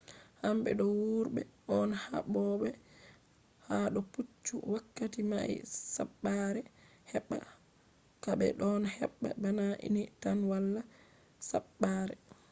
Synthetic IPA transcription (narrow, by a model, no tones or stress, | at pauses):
hambɛ̰ɗɔwuɾbɛ̰ʔɔnha̰ɓɔɓɛ | haɗɔput͡ʃːuwakːatima̰jsa̰ɓːaɾɛ | hɛɓːa̰ | kabɛ̰ɗɔnhɛ̰ɓːa̰banaʔḭnitanwalːa | sa̰ɓːaɾɛ